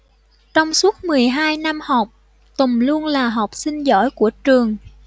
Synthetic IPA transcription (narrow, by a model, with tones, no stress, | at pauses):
t͡ɕɔ˧wŋ͡msu˦˥ət̚mɨ˨˩əjɦaː˧jna˧mhɔ˨˩wk͡p̚ | t̪ʊ˨˩ŋ͡mlu˧ənlaː˨˩ɦɔ˨˩wk͡p̚si˧ŋ̟zɔ̰˧˥jku˧˩ət͡ɕɨ˨˩əŋ